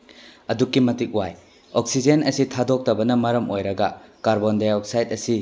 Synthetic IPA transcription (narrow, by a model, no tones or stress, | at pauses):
ɐdukːimɐtik̚waj | ɔk̚sid͡ʒenɐsitʰadok̚tɐbɐnɐmɐɾɐmojɾɐɡɐkaɾbondajɔk̚sajt̚ɐsi